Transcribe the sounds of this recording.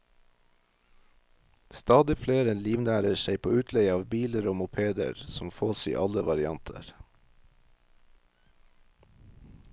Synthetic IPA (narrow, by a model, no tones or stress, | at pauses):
st̪ɑːd̪ɪfleːɾɛnliːʋnæːɾəʃeɪpʰo̰ːʉːt̪ʰlɛɪɑːʋbiːləɾoːmʊpʰeːd̪ə̰ɾsɔmfoːsḭːʔɑləʋɑɾɪɑnt̪ʰə̰ɾ